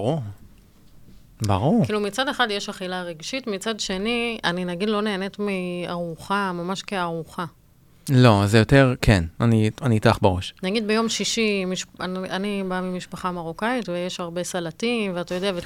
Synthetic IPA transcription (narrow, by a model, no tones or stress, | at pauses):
ʁu | baʁuʁkiːlumit͡sade̞χadjeʃaχilaʁeɡʃitmit͡sadʃe̞nianinaɡidlo̞ne̞ːnetmiaʁuχamamaʃkeaʁuχa | lo̞zejo̞teʁkʰenanianitaχbeʁo̞ʃnaɡid̪̚bejo̞mʃiʃimiʃananibamimiʃpaχamaʁokaitvejeʃaʁbe̞salatimveat̪ajod̪eave